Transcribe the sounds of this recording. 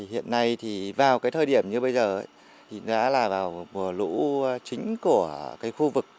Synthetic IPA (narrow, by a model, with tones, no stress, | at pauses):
i˨˩hḭ˧˨ənːa˧jt̪ʰi˨˩vaː˨˩wkaː˨˦jt̪ʰəː˧jɗi˧˩əmɲɨ˧ɓə˧jzəː˨˩ə˨˦j | t̪ʰi˨˩˧ɗa̰ː˧˥laː˨˩vaː˨˩wmu˨˩əlṵ˧˥˧t͡ɕï˨˦ŋ̟ku˧˩əkaː˨˦jxu˧vɨ˨˩k̚